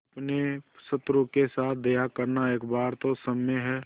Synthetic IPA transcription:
pnesət̪ɾukesaːt̪̚ʰd̪ejakəɾnaeːkbaːɾt̪osəmeɦɛː

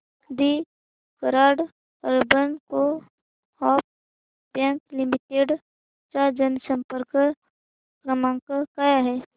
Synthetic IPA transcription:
d̪i | kəɾaːɽ | əɾbənko | hɔːp̚ | bjɛ̃ːŋklɪmiʈeːɖ | t͡ʃad͡ʒənsə̃mpəɾk | kɾəmãːŋkkaːjaɦɛː

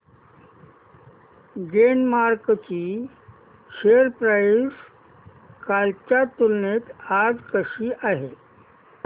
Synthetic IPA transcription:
ɡenmaɾkt͡ɕi | ʃeəɾpɾas | kalt͡ɕat̪ulnet̪ad͡zkəʂiʔaɦe

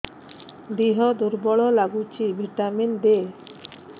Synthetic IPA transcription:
d̪iɦɔd̪uɾbɔɭɔlaɡut͡ʃibʱiʈamind̪e

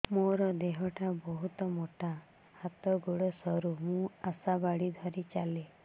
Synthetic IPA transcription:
moɾɔd̪eɦɔʈabɔɦut̪ɔmoʈa | hat̪ɔɡoɽɔsɔɾumũasabaɽid̪ʱɔɾit͡ʃale

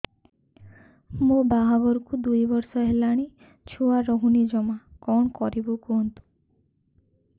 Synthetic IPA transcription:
mobaɦaɡɔɾkud̪ujbɔɾsɔɦelaɽ̃i | t͡ʃʰuaɾɔɦunid͡ʒɔmakɔɳkɔɾibukoɦnt̪u̥

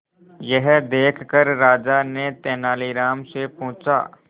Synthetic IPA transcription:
jɛɦd̪eːkʰkəɾɾaːd͡ʒanet̪ɛːnaːliɾaːmsepʊ̃ːt͡ʃa̰ː

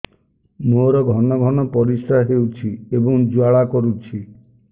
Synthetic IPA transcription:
moɾɔɡʱɔnɔɡʱɔnɔpɔɾisɾaɦewt͡ʃʰiebɔŋd͡ʒuaɭakɔɾut͡ʃʰi

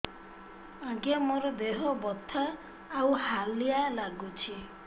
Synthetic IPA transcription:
ãɡemoɾɔd̪eɦɔbɔt̪ʰːaː | whalijalaɡut͡ʃʰi

